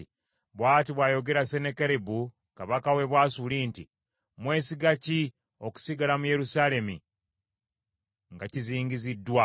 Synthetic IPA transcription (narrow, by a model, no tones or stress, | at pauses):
i | βwaːtiβwaːjo̞ɡe̞ɾase̞nekeɾebu | kaβakawe̞βwaːsuliːnti | mwe̞ːsiɡaci | o̞ku̥siɡalamuje̞ɾusale̞mi | ŋɡaciziːŋɡizidːwa